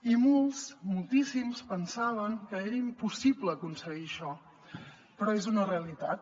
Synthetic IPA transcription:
imolˠsmulˠt̪isimspənsaβ̞əŋkəeɾəimpusibləːkunsəɣiʃɔ | pɾɔezunəreəlit̪at̪

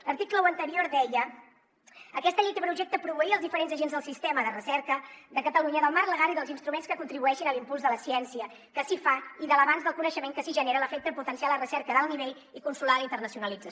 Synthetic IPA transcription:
ləɾt̪ikləwənt̪əɾioɾdɛjə | kɛst̪əʎejt̪eβunubʒɛk̚t̪əpɾuβəiəlzðifəɾenzəʒenzðəlˠsist̪eməðərəsɛɾkəðəkət̪əluɲəðəlˠmarləɣ̞aɾiðəlˠzinst̪ɾumenskəkunt̪ɾiβuɛʃinəlimpulˠzðələsiɛnsiə | kəsifaiðələβanzðəlˠkunəʃəmeŋkəsiʒəneɾələfɛk̚t̪əput̪ənsialˠərəsɛɾkəðəlˠniβeʎ | ikunsulalint̪ərnəsiunəlid͡zə

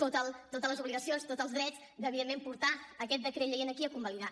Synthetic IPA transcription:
t̪ot̪əlˠt̪ot̪əzləzuβliɣəsionst̪ot̪əlˠzðɾɛd͡z | d̪əβiðemːempuɾt̪aəkɛt̪̚d̪əkɾet̪ʎəʒenəkiəkumbəliða

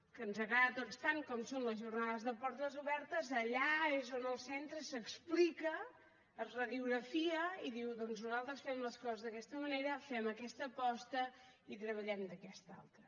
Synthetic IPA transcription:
kənzəɣɾaðət̪ott͡st̪aŋkɔmsonləzʒurnaðəzðəpɔɾt̪əzuβɛɾt̪əzəʎaezonəlˠsent̪ɾəsəksplikə | ərəðiuɣɾəfiəiðiwðɔnznuzalˠt̪ɾəsfɛmləskɔzəzðəkɛst̪əməneɾəfɛməkɛst̪əpɔst̪əit̪ɾəβ̞əʎɛmd̪əkɛst̪a̰lˠt̪ɾə

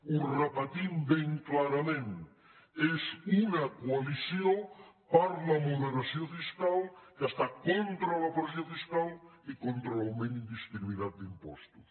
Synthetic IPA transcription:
ʊrapat̪imbɛŋklaɾamẽn | ɛsuŋɐkoaliθjoŋpaɾlɐmoðeɾaθjofiskalkast̪akont̪ɾalapɾosɐfiskalɪkont̪ɾaawmẽnd̪isk̪ɾimiðað̚d̪impɔ̰st̪ʊs

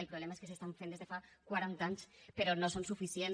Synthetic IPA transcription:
əlˠpɾuβlɛməeskesest̪aɱfend̪ezðefakwaɾant̪aɲspeɾɔnosonsufisien

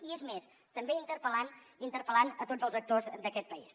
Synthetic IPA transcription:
iezmes | t̪əmbeint̪əɾpəlan | int̪əɾpəlanət̪od͡zəlˠzək̚t̪ozd̪əkɛt̪̚pəis

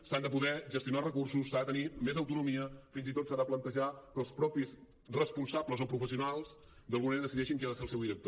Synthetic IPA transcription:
sand̪əpuðɛʒəst̪iunarəkursusːaðət̪ənimezəwt̪unumiəfinzit̪ot̪saðəplənt̪əʒakəlˠspɾɔpis | rəspunsabləzopɾufəsiunalˠz | d̪əlˠɣunəeɾəðəsiðɛʃiŋkiaðəseəlˠsɛwðiɾək̚t̪o

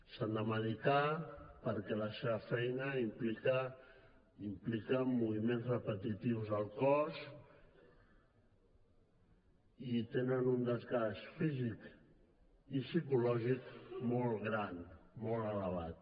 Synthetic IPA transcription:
sand̪əməðikapəɾkɛləseβəfɛjnəimplikə | implikəmuβimenzrəpət̪it̪iwzəlˠkɔs | it̪enənund̪əzɣaʃfizik | isikulɔʒikmɔlˠɣɾanmɔlˠələβ̞a̰t̪̚

